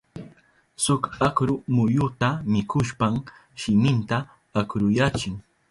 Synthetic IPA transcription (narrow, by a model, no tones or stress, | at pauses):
sʊkakɾʊmʊjʊt̪amɪkʊʃpamʃɪmɪnt̪a | akɾʊjat͡ʃɪŋ